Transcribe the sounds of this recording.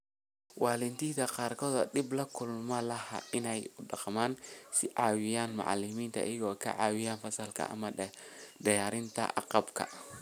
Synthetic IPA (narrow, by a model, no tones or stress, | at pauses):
wɑːlɪnt̪ʰiːt̪ɐqɑːrkʰɔːðɐd̪ɪblɐkʰʊlmɐlɐhɐ̰ɪnɛjʊɖɑqmaːnsɪʕɑːwɪjaːnmɑ̰ʕɑ̰lɪmiːnt̪ʰɐ̰ʔɪ̰jɐɣɔːkʰɐ̰ʕɑːwɪjaːnfɐsɐlkʰɐ̰ɐ̰mɐɖɐjaːɾɪnt̪ʰɐ̰ʔɑ̰qɑbkʰɐ̰